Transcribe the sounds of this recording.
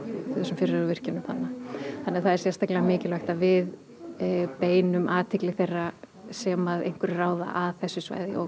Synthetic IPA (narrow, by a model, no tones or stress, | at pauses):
sʏmfɪɾɪɾavɪr̥cɪnʏmθa̰nːaθanːɛɾθaðɛɾ̥sjɛr̥st̪aklɛvamɪːcɪlvaɛxht̪avɪð | peːjnʏmʔaːt̪ʰɪklɪθejrːa | sɛmaðḛjŋ̥kʏɾɪraːwða̰ʔaðθɛsːʏsva̰ːjðɪ̰ɔ̰